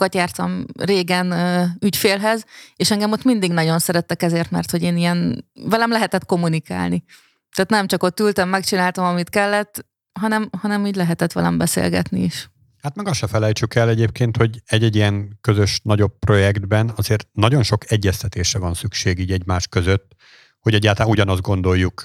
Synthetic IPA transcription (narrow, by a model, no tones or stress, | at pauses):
kɒt̪jaːrt̪ɒmreːɡɛnːycfeːlɦɛzeːʃɛŋɡɛmot̪ːmind̪iɡnɒɟo̞nsɛɾɛt̪ːɛkɛzeːrt̪mɛrt̪ho̞ɟeːnijɛnvɛlɛmlɛɦɛt̪ɛt̪ko̞mːunika̰ːlni | t̪ɛːt̪nɛmt͡ʃɒko̞t̪ːylt̪ɛmːɛkt͡ʃinaːlt̪ɒmɒmit̪kɛlːɛt̪ː | ɦɒnɛmhɒnɛmiːɟlɛɦɛt̪ɛt̪ʋɛ̰lɛ̰mbɛsḛːlɡɛ̰t̪niiʃ | haːt̪mɛɡɒʃɛfɛlɛjt͡ʃykɛlːɛɟeːp̚keːnt̪ho̞ɟɛɟːɛɟːijɛŋkøzø̞ʃnɒɟo̞pːro̞jɛɡd̪bɛnɒzeːrt̪nɒɟo̞nʃokɛɟːɛst̪ɛt̪eːʃrɛvɒnsykʃeːɡiːɟɛɟmaːʃkøzøt̪ː | ho̞ɟɛɟːaːlt̪ːuɟɒnɒzd̪ɡo̞nd̪o̞jːuk